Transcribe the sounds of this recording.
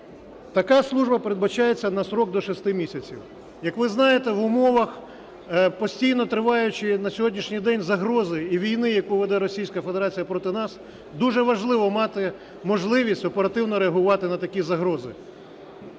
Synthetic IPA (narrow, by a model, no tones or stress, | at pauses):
t̪ɐkɑslˠuʒbɐpeɾed̪bɐt͡ʃajet͡sʲːɐnɐsɾɔk̚d̪ɔʃɪst̪ɪmʲisʲɐt͡sʲḭw | jɐkʋɪznɑjet̪ɛʋʊmɔʋɐx | pɔsʲtʲijnɔt̪ɾɪʋɑjʊt͡ʃɪnɐsʲɔɦɔdʲnʲiʃnʲijd̪ɛnʲzɐɦɾɔzɪiʋʲijnɪjɐkuʋɛd̪ɛɾɔsʲijsʲkɐfed̪eɾɑt͡sʲijɐpɾɔt̪ɪnɑs | d̪uʒɛʋɐʒlˠɪʋɔmɑt̪ɪ | mɔʒlˠɪʋʲisʲtʲɔpeɾɐt̪ɪwnɔɾeɐɦʊʋɑt̪ɪnɐt̪ɐkʲizɐɦɾɔzɪ̰